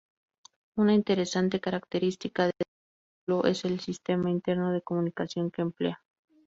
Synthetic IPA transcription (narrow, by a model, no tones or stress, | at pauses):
unaint̪e̞ɾe̞sant̪e̞kaɾak̚t̪e̞ɾist̪ikaðe | lo̞ʔe̞se̞lsist̪e̞maint̪e̞ɾno̞ð̞e̞ko̞mũnikasjo̞ŋkeːmple̞̰a